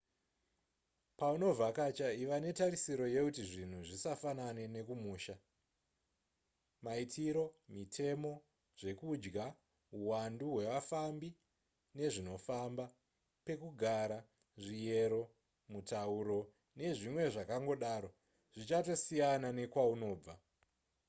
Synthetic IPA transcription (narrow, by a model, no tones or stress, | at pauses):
pauno̞vʱakat͡ʃaiʋane̞taɾisiɾo̞je̞kutiʐin̤uʐisafanane̞ne̞kumuːʃa | maitʰiɾo̞mitʰe̞mo̞ | ʐe̞kud͡ʒɡa | uwanduɦwe̞ʋafambi | ne̞ʐino̞famba | pe̞kuɡʱaɾa | ʐije̞ɾo̞ | mutauɾo̞ | ne̞ʐimwe̞ʐakaŋɡo̞ɗaɾo̞ | ʐ̥it͡ʃato̞sijanane̞kwauno̞ːb͡va